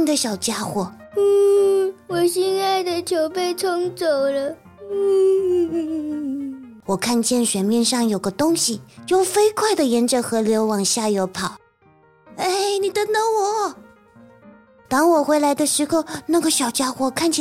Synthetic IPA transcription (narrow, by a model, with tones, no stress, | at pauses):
i˨˩d̪ə˦ɕjɑ˨˩ʊt͡ɕja˥xwɔ˨˧˩ | wɔ˨˩ɕɛ˥˧nt͡sa˥˩ɪd̪ə˨t͡ɕʰjo˧˥ʊpe˥˧ɪt͡sʰʊ˥ŋt͡so˨˩ʊlə˦ | wɔ˨˩kʰa˥˧nt͡ɕjɛ˥˩nɕɥɛ˨˩nmjɛ˥˧nʂɑ˥˩ŋjo˨˩ʊɡə˦t̪ʊ˥ŋɕi˨˩t͡ɕjo˥˩ʊfe˥ɪkʰwa˥˩ɪd̪ə˩jɛ˧˥nʈ͡ʂə˨˩xɤ˧˥ljo˧˥ʊwɑ˨˩ŋɕja˥˩jo˧˥ʊpʰɑ˨˩˦ʊ | e˥˩ɪni˨˩t̪ə˥nə˧˥ŋwɔ˨˩˦ | t̪ɑ˥ŋwɔ˨˩xwe˥ɪla˧˥ɪd̪ə˧ʂɻ̩˧˥xo˧ʊna˥˩ɡə˩ɕjɑ˨˩ʊt͡ɕja˥xwɔ˧˩kʰa˥˩nt͡ɕʰ